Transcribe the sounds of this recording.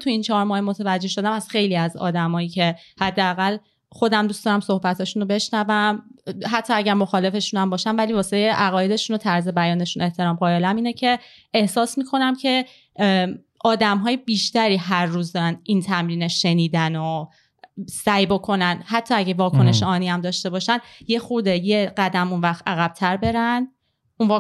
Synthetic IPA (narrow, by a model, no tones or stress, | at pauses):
t̪ʰuint͡ʃʰɒːɾmɒːhemo̞t̪ʰevæd͡ʒːe̞ʃod̪æmæz̥xe̞jliːæzɒ̰ːd̪æmɒːjiːcʰe̞hæd̪ːeæɣæl | χo̞d̪æmd̪uːsd̪ɒːɾæmso̞hbæt̪ʰɒːʃunobe̞ʃnævæmɦæt̪ʰːɒːæɟæɾmo̞xɒːle̞fe̞ʃunæmbɒːʃænvæliːvɒːset̪ʰejeʔæɣɒːje̞d̪e̞ʃunot̪ʰæɾze̞bæjɒːne̞ʃune̞ht̪ʰe̞ɾɒːmɢɒːjelæmiːne̞cʰe̞ | ehsɒːsmiːkʰo̞næmcʰe̞ | ʔɒːd̪æmɦɒːjebiːʃt̪æɾiːɦæɾːuːzd̪ɒɾænint̪ʰæmɾiːneʃe̞niːd̪æno | sæjbo̞kʰo̞nænhæt̪ʰːɒːæɟevɒːkʰo̞ne̞ʃeɒːniæmd̪ɒːʃt̪e̞bɒːʃænje̞xuɾd̪eje̞ɢæd̪æmunvæxt̪æɣæb̥̚t̪ʰæɾbe̞ɾæn | unv